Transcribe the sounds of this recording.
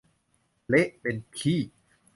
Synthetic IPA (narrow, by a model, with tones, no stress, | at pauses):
le˦˥ʔpe˧nkʰiː˥˩